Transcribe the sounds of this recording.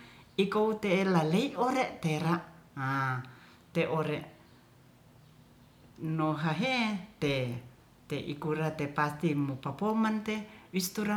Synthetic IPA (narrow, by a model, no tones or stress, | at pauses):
ikout̪elaleioɾeʔt̪eɾaʔa | t̪eʔoɾeʔ | noɦaɦet̪e | t̪eʔḭkuɾat̪epast̪imupapomant̪ewist̪uɾa